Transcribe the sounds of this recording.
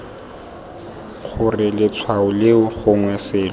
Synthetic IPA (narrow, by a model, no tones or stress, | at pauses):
χʊrɪlɪt͡sʰwaʊlɪʊχʊŋwɛsɪːlɔ